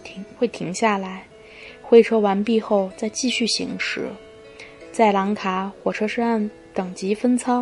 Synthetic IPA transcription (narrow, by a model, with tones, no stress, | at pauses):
xwe˥˩ɪt̪ʰi˧˥ŋɕja˥˩la˧˥ɪ | xwe˥˩ɪʈ͡ʂʰɤ˥wa˧˥npi˥˧xo˥˧ʊt͡sa˥˧ɪt͡ɕi˥˧ɕy˥˩ɕḭ˧˥ŋʂɻ̩˨˩˦ | t͡sa˥˩ɪla˧˥ŋkʰa˧˥xwɔ˨˩ʈ͡ʂʰɤ˥ʂɻ̩˥˧a˥˩n | t̪ɤ˨˩ŋt͡ɕi˧˥fə˥nt͡sʰɑ˥ŋ